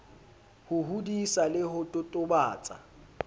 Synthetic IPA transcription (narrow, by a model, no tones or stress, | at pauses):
hʊɦudisalɪhʊtʼʊtʼʊbaːt͡sʼa̰